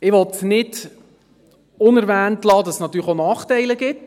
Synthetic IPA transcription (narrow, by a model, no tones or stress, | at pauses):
ɪʋɔtnɪd | ʊnɛɾʋæːntlɑːd̥̪ɑssnɑt̪ːyːləχonɑːχtɛɪləɡɪt